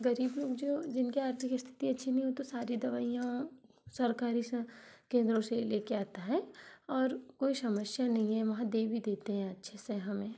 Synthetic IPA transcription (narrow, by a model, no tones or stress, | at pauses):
ɡɐɾiːbloːɡd͡ʒoːd͡ʒɪnkiaːɾt̪ʰɪkist̪ʰɪ̥t̪iɐtːʃʰinɐɦĩɦot̪osaːɾid̪ɐʋaːijã | sɐɾkaːɾiskẽːnd̪ɾõseleːkeaːt̪aɦɛːɔːɾkoːisɐməʃjanɐɦĩɦɛʋɐɦãd̪eːʋid̪eːt̪eɦɛ̃ɐtːʃʰeseɦɐmẽː